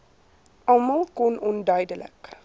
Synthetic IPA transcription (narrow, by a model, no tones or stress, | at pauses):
ʔɐmɐlˠkɔnʔɔndœɥdələ̰k